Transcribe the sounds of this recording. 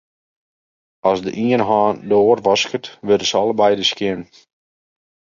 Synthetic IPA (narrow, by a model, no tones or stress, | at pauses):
ɑsdə̰ʔiənɦaːndoːrʋɑskətʋødəsɑlˠəbɛjdəskjɪn